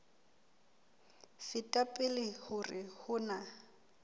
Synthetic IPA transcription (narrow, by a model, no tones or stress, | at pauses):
fɪtʼapʼɪlɪhʊrɪhʊna